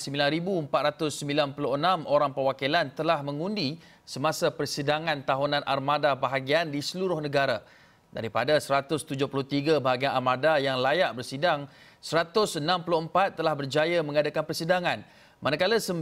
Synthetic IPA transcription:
səmbilanɾibuəmpat̪̚ɾat̪ʊsːəmbilanpulʊɦənãmʔoɾaŋpərwakilant̪əlahmə̃ŋũndi | səmasapərsidaŋãnt̪aɦunãnʔa̰rmadabaɦaɡiandisəluɾʊhnə̃ɡaɾa | da̰ɾipadasəɾat̪ʊst̪ud͡ʒʊhpulʊht̪iɡabaɦaɡianamadajaŋlajaʔbərsidaŋ | səɾat̪ʊsənãmpulʊhəmpat̪̚ːəlahbərd͡ʒajamə̃ŋadakanpərsidaŋãn | manakalasə

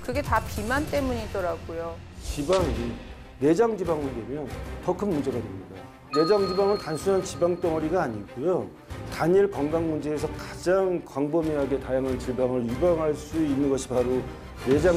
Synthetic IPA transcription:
kɯɡe̞tapimant͈e̞muɲiit͈ʌɾaɡujo | t͡ɕibaŋin | ne̞d͡ʑaŋd͡ʑibaŋɯndwe̞mjʌntʌkʰɯnmund͡ʑe̞ɡadwemɲida̰ | ne̞d͡ʑaŋd͡ʑibaŋɯntansʰunɦant͡ɕibaŋt͈ʌŋʌɾiɡaːɲiɡojo | taɲiɭkʌŋɡaŋmund͡ʑe̞ːsʰʌkad͡ʑaŋkwaŋbʌmiɦaɡe̞tajaŋɦant͡ɕiɭbaŋɯɾibaŋɦaɭs͈uinːɯnɡʌɕʰi̥baɾo | ne̞d͡ʑa

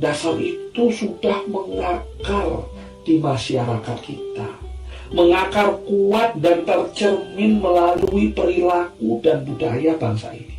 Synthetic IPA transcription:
dasarit̪usudahməŋakar | d̥imaʃaɾakat̪̚kit̪aməŋakarkuat̪̚dant̪ərt͡ʃərmɪnməlaluipəɾilakudanbudajabaŋsa̰ḭni

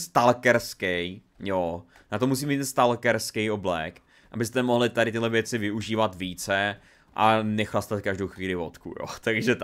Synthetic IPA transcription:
st̪alkɛɾskɛj | jo | nat̪omus̬iːmiːt̪ːɛnst̪alkɛɾskɛjoblɛk | ʔabɪst̪ɛmoɦlɪt̪adɾɪt̪ɪɦlɛvjɛt͡sɪvɪuʒiːvat̪viːt͡sɛ | ʔanɛxlast̪at̪kaʒdowxviːlɪvot̪kṵjo̰t̪aɡʒɛ

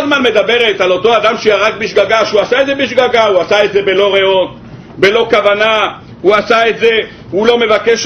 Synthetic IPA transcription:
zmanme̞d̪abe̞ʁet̪alo̞t̪o̞ad̪amʃeaʁak̚biʃɡaɡaʃeuasaetze̞biʃ̬ɡaɡahuasaetze̞be̞lo̞ʁeo̞t̪ | be̞lo̞kavana | huasaetze | hulo̞me̞vakeʃ

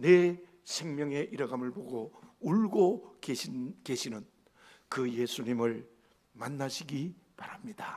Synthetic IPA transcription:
ne | sʰeŋmjʌŋe̞ʔiɾʌɡamɯɭpoɡouɭɡokeke̞ɕʰinɯn | kɯje̞sʰuɲimɯɭ | manːaɕʰiɡipaɾamɲid̥a

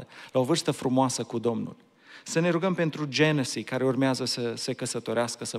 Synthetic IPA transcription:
əlao̞vɨrst̪əfɾumoasəkud̪o̞mnṵl | səne̞ɾuɡəmpe̞nt̪ɾud͡ʒe̞nusikaɾe̞urmeazəsəsekəsət̪o̞ɾeaskəsə

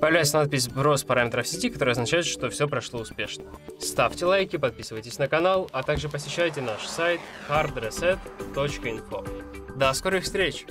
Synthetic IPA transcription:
pəjɪvlʲæjsʲənat̪̚pʲɪsʲbɾo̞spɐɾamʲɪt̪ɾəfsʲɪtʲikɐt̪oɾɨɐznɐt͡ɕæjɪt̪ʂt̪o̞fsʲopɾɐʂlˠo̞ʊspʲe̞ʂnəst̪aftʲɪlˠajkʲɪpɐt̪̚pʲisɨvəjtʲɪsʲnəkɐnalˠɐt̪aɡʐɨpəsʲɪɕːæjtʲɪnaʂsajt̪xard̪ɾɛsɛt̪ːot͡ɕkəɪnfo̞̰d̪askoɾɨɪfst̪ɾʲet͡ɕ

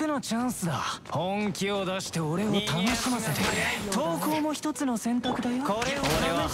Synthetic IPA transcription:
eno̞t͡ɕãɰ̃sɨd̪a̰hõŋkʲiod̪aɕi̥t̪e̞o̞ɾe̞o̞t̪ano̞ɕi̥semasɨd̪esnet̪o̞ːko̞ːmo̞çi̥t̪o̞t͡sɨno̞sẽ̞nt̪akɯ̟d̪ajokoɾeoɾea

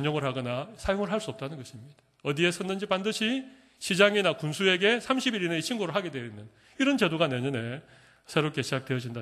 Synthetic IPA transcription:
ɲʌŋɯɭhaɡʌnasʰajoŋɯɭɦaɭs͈uʌp̚t͈anɯnɡʌɕʰimɲid̥ḁ | ʌdie̞sʰʌnːɯnd͡ʑipandɯɕʰi | ɕʰid͡ʑaŋinakunsʰue̞ɡe̞sʰamɕʰibiɾineit͡ɕʰinɡuɾɯɭɦaɡe̞dweinːɯn | iɾʌnt͡ɕe̞doɡaneɲʌne̞ | sʰe̞ɾop̚k͈e̞ɕʰid͡ʑak̚twe̞jʌd͡ʑinda

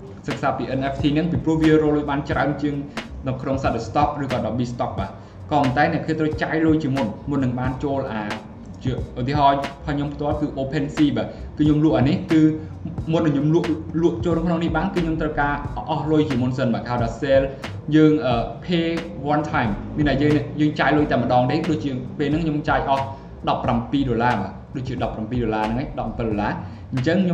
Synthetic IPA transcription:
sək̚saːpiːʔənʔɛfʰt̪ʰiːnɨŋpiprŭəhʋiəroːlːʊəjɓaːnt͡ɕraənt͡ɕiəŋnɨwkʰnoŋsaɗəst̪ɑk̚rɨːkɑːɗɑːɓiːst̪ɑk̚ɓaː | kɑpənt̪aɛnɛ̆əʔkʰiət̪rəwt͡ɕaːjlʊjt͡ɕiəmunmunːɨŋɓaːnt͡ɕoːlʔaː | t͡ɕiəʔut̪iəɦɑːpʰaɲompʰt̪ŏəlkɨːʔoːpʰensiːɓaːt̪̚kɨːɲomluəʔaːnihkɨː | munɗaɲomluəʔluəʔt͡ɕoːlnɨŋkʰnoŋnihɓaːnkɨːɲomt̪rəwkaːʔɑhlʊjt͡ɕiəmunsənɓaːkhɦaɔjɗɔːsel | jəːŋʔəːpʰeːʋoənt̪ʰajmmiənʔaːjəːŋjəːŋt͡ɕaːj̚lʊjt̪aɛməɗɑːŋɗ̪eːɗoːc̚t͡ɕiəpeːlnɨŋkʰɲomt͡ɕaːjʔɑh | ɗɑpːrampiːɗolaːɓaː | ɗoːc̚t͡ɕiəɗɑpːrampiːɗolaːnɨŋʔaːjɗɑp̚ːpəlɗolaː | ɲt͡ɕəŋɲo

